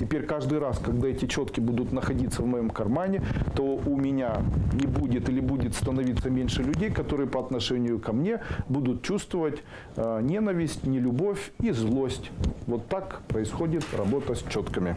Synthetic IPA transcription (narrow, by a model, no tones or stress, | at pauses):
tʲɪpʲeɾʲkaʐd̪ɨjɾaskɐɡd̪aɛtʲɪt͡ɕo̞t̪kʲɪbud̪ʊt̪nəxɐdʲit̪səvmɐjo̞mkɐrmanʲɪt̪o̞ʊmʲɪnʲanʲɪbudʲɪt̪ilʲɪbudʲɪt̪st̪ənɐvʲit̪sːəmʲenʲʂɨlʲʉdʲejkɐt̪o̞ɾɨjəpɐɐt̪nɐʂɛnʲɪjʊkɐmnʲe̞bud̪ʊt̪̚t͡ɕust̪vəvətʲ | nʲe̞nəvʲɪsʲtʲnʲɪlʲʊbofʲizlˠo̞sʲtʲvo̞t̪ːakpɾəɪsxo̞dʲɪt̪rɐ̰bo̞t̪əsʲt͡ɕo̞t̪kəmʲɪ